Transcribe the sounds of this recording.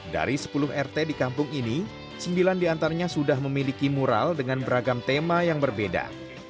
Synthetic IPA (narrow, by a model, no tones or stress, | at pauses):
da̰ɾisə̥pulʊɦɛrt̪edikampʊŋini | səmbilandiant̪aɾaɲasudahməmilikimuɾa̰ldəŋanbəɾaɡamt̪emajaŋbərbeda̰